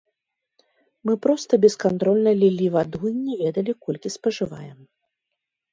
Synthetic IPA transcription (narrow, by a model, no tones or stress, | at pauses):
mɨpɾɔst̪ɐbʲɛskant̪ɾɔlʲnɐlʲilʲivad̪uinʲɛvʲɛd̪ɐlʲikɔlʲkʲispɐʐɨva̰jɛm